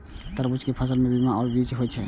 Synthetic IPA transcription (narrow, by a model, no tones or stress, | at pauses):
t̪əɾbut͡ʃʰkepʰəs̬əlmebimaɔɾbit͡ʃɦojt͡ʃʰɛ